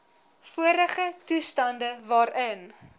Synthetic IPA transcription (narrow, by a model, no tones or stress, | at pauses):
fuəɾəχətustɐndəvɑːɾən